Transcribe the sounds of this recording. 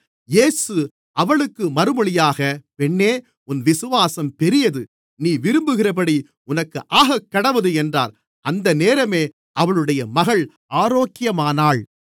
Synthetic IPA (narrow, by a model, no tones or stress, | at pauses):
jeːsɯ | ʔɐʋɐɭɯkːɯmɐɾɯmɐɭɪjaːɣɐpɛɳːeː | ʊnʋɪsɯʋaːsɐmpɛɾɪjɐðɯ | niːʋɪɾɯmbɯɣɪrɐp̬ɐɽi | ʊnɐkːɯʔaːɣɐkːɐɽɐʋɐðɯɛndraːɾ | ʔɐnd̪ɐneːɾɐmeː | ʔɐʋɐɭɯɽɐjɐmɐɣɐɭ | ʔaːɾoːkːɪjɐmaːnaːɭ